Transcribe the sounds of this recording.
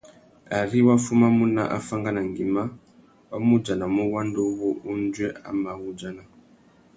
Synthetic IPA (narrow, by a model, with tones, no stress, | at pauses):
a˨ri˦wa˦fu˦ma˦mu˦na̰˦˨ʔa̰˦fa˦ŋɡa˦na˨ŋɡi˨ma˦ | wa˦mu˦d͡ʒa˨na˨mu˦wa˦ndo˦βo˦ʔu˦nd͡ʒwe˦a̰˨ma˨ɣu˦d͡ʒa˨na˨